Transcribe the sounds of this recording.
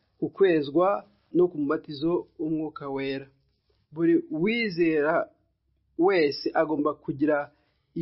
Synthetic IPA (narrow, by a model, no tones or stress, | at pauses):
kukwe̞ːzɡwa | no̞kumumatizo̞umŋuːkawe̞ːɾa | βuɾiwiːze̞ːɾa | we̞ːseʔaɡo̞ːmbakuɟiɾa | i